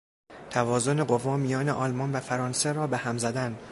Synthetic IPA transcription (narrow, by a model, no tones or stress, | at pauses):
t̪ʰævɒːzo̞ne̞ɢo̞vɒːmijɒːneʔɒːlmɒnvæfæɾɒːnseɾɒːbehæmzæd̪æn